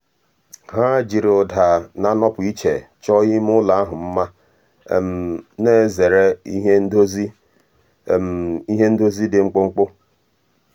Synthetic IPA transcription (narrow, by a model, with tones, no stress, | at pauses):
ɦa˦d͡ʒi˨ɾʊ˨da˨na˦nɔ˦pʊ˨i˦t͡ʃe˨t͡ʃɔ˦ɣɪ˦m˦ʊ˦la˨a˦ɦʊ˨m̩˦ma˦ | mne˦˨ze˨ɾe˦i˦ɦe˦dzi˦ | i˦ɦe˦n̩˦do˦zi˦dɪ˨ŋ͡m̩˦k͡pʊ˦ŋ͡m̩˦k͡pʊ˦